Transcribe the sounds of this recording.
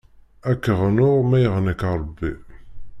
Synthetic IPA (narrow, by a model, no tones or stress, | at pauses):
ækːəʁnʊʁmæjəʁnəkɑɾˤbːḭ